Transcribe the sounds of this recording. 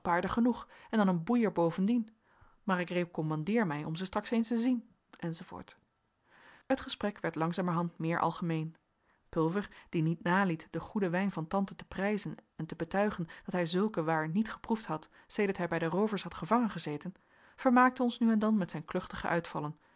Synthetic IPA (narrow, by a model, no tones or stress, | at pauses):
paːɹdəχənuχɛndɑnənbujəɹbowvəndin | maːɹɪkrejp̚kɔmɑndɪːɹmɛjɔmzəstrɑksejnstəzin | ʔɛnzov̥o̰ːɹt | ətχəsprɛkʋɛɹtlɑŋzaːməɹɦɑntmɪːɹʔɑ̰lˠχəmejn | pɵlˠvəɹd̥initnaːlitdəχudəʋɛjnvɑntɑntətə̥prɛjzənɛntəbətœɥχənd̥ɑtɦɛjzɵlˠkəʋaːɹnitχə̥pruftɦɑt | sejdəɹtɦɛjbɛjdərowvəɹsɦɑtχəvɑŋənχəzejtən | v̥əɹmaːk̚təɔnsnyɛndɑnmɛtsɛjnklɵχtəχə̰ʔœɥtfɑlˠən